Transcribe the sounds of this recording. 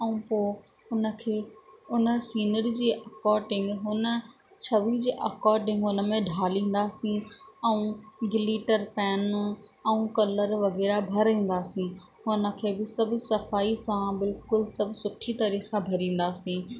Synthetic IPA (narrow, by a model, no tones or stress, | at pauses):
ɛ̃ũpoː | ʊnə̆kʰeːʊnəsiːnəɾd͡ʑiːʔɐkɔːɾɖɪ̃ŋɡɦʊnə̆ | t͡ɕʰɐʋid͡ʑʔɐkɔːɾɖɪ̃ŋɡʊnə̆mẽɖʱaːlĩːn̆d̪aːsĩɛ̃ũɡɪliːʈəɾpɛːnɛ̃ũkɐləɾʋɐɣɛːɾabʱɐɾĩːn̆d̪aːsĩ | ɦʊnə̆kʰeːbɪsɐbʱʊsɐfaːisãbɪlkʊlsɐbʱʊsʊʈʰit̪ɐɾisãbʱɐɾĩːn̆d̪aːsĩː